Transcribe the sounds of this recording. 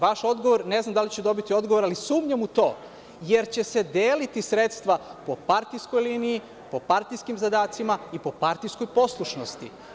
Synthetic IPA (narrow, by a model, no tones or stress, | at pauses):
ʋaʃo̞d̪ɡo̞ʋo̞ɾne̞znamd̪alit͡ɕed̪obit̪io̞d̪ɡoʋo̞ɾalisuːmɲamut̪o̞ː | jeɾt͡ɕe̞sed̪eːlit̪isɾet̪st̪ʋapo̞paɾt̪ijsko̞jliːniji | po̞paɾt̪ijskimzad̪aːt̪simaipo̞paɾt̪ijsko̞jpo̞slˠuʃno̞st̪i